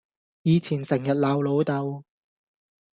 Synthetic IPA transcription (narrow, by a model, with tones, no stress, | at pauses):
jiː˨˧t͡sʰiː˨˩nsɪ˨˩ŋjɐ˨t̚laː˨wlo˨˧wt̪ɐ˨˧w